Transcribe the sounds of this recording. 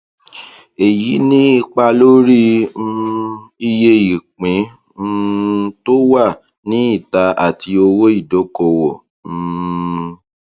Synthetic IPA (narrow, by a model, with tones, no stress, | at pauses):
e˨ji˨˦nĩ˦i˧k͡pa˧lo˦ɾi˦˧ | i˧je˧i˨k͡pĩ˨˦˧ | to˦wa˦˨ | nĩ˨˦i˦˨ta˧a̰˦˨tʰi˧o˧wo˦i˦˨dɔ˨˦kɔ˧˨wɔ̃˨˦˧